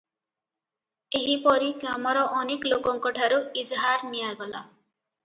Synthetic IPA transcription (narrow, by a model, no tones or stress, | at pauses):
eɦipɔɾiɡɾamɔɾɔʔːneklokɔŋkɔʈʰaɾuid͡ʒɦaɾnijaɡɔla̰